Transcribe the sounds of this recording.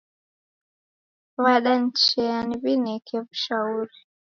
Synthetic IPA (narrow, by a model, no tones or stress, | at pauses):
βaɗan̩t͡ʃɛaniβinɛkʰɛvuʃauɾi